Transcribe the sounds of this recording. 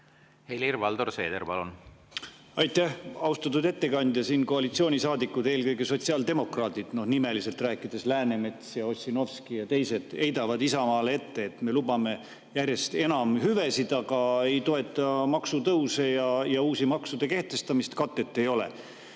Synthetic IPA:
helirvɑld̪̥orsḛːd̪eɾpɑ̰lun | ɑjt̪ˑːæhɑwst̪ɑt̪ːˑud̪e̞t̪ːe̞kɑnʲd̪jɑsiːnko̞ɑlit̪sio̞ːnʲisɑːd̪ikːˑud̪eːlkɤjɡe̞so̞t̪siɑːld̪e̞mo̞krɑːt̪id̪̥no̞hnime̞lise̞lt̪ræːkːˑid̪̥e̞slæːne̞me̞t̪sjɑo̞sʲino̞fskijɑt̪ejse̞d̪̥e̞jd̪ɑvɑd̪isɑmɑːlee̞t̪ːe̞ːt̪me̞lubɑme̞ | jærʲje̞st̪e̞nɑmɦyvesid̪ɑɡ̥ɑe̞jt̪o̞e̞t̪ːˑɑmɑksut̪ɤwsejɑjɑuːsimɑksud̪̥e̞ke̞ht̪e̞st̪ɑmist̪kɑt̪ːe̞t̪ːe̞jo̞lḛ

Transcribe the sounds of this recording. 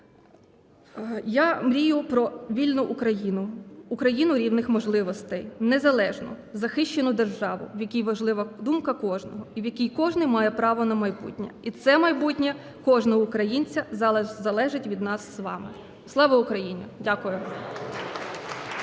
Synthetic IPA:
jamɾʲijʊpɾɔʋʲilʲnʊʔːkɾɐjinʊːkɾɐjinʊɾʲiwnɪxmɔʒlˠɪʋɔst̪ɛjnezɐlˠɛʒnɔ̰ | zɐxɪʃt͡ʃːenʊd̪erʒɑʋʊ̰wjɐkʲijʋɐʒlˠɪʋɐd̪umkɐkɔʒnɔɦɔiwjɐkʲijkɔʒnɪjmɑjɛpɾɑʋɔnɐmɐjbṵtʲnʲɐ̰it̪sɛmɐjbutʲnʲɐ | kɔʒnɔɦɔʊkɾɐjinʲt͡sʲɐzzɐlˠɛʒɪtʲʋʲid̪nɑsːʋɑ̰mɪ | slˠɑʋɐʊkɾɐjinʲʊdʲakʊjʊʋ

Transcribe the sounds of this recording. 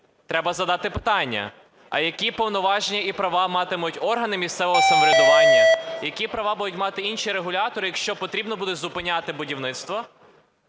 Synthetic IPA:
t̪ɾɛbɐzɐd̪ɑt̪ɪpɪt̪ɑnʲːɐ̰ | ɐ̰jɐkʲipɔwnɔʋɑʒenʲːɐipɾɐʋɑmɑt̪ɪmʊtʲɔrɦɐnɪmʲist̪sɛʋɔɦɔsɐmɔɾʲed̪ɔʋɑlʲːɐjɐkʲipɾɐʋɑbud̪ʊtʲmɑt̪ɪinʃiɾeɦʊlʲɑt̪ɔɾɪjɐkʃt͡ʃɔpɔt̪ɾʲibnɔbud̪ɛzʊpɪnʲɑt̪ɪbʊdʲiwnɪt̪st̪ʋɔ

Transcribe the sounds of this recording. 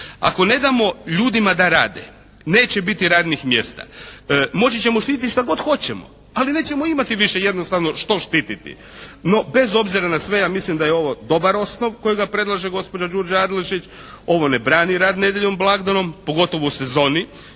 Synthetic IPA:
a̰ko̞ne̞d̪amo̞ʎuːd̪imad̪aɾaːd̪ḛ | ne̞ːt͡ɕe̞bit̪iɾaːd̪nixmje̞̰st̪a̰mo̞t͡ɕit͡ɕemoʃt̪iːt̪it̪iʃt̪aɡo̞d̪xo̞t͡ɕemo̞̰ | aline̞ːt͡ɕe̞mo̞imat̪iʋiʃe̞je̞d̪nost̪aʋno̞ʃt̪o̞ʃt̪iːt̪it̪ḭno̞be̞zo̞bziɾanasʋe̞jaːmislimd̪ajeo̞ʋo̞d̪o̞baɾo̞sno̞ʋko̞jiɡapɾe̞d̪lˠaʒeɡo̞spod͡ʑad͡ʒuɾd͡ʒaad̪leʃit͡ʃo̞ʋo̞nebɾaːniɾaːd̪ne̞d̪jeʎomblˠaɡd̪ano̞mpo̞ɡo̞t̪o̞ʋouse̞zo̞ːni

